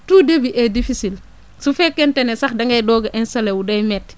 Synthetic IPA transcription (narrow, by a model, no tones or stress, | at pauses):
tuːdebiʔɛdifisil | sufɛkːɛntɛnɛsɐxdɐŋɡɐjdɔɡɐʔɛnsɐlewudɐjmɛt